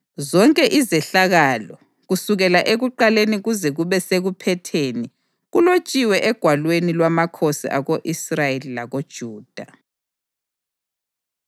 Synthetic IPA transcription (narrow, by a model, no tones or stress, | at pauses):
zɔŋkʼɛʔizɛɬaɣaːlɔ | ɣusuɣɛlaʔeɣuǃaleniɣuzɛɣuβɛseɣupʰɛtʰeːni | ɣulot͡ʃʼiwɛʔɛɡ̥ʱwalwenilwamakʰosḭʔaɣoʔisrajelilaɣod̥ʒ̥ʱuːd̥ʱa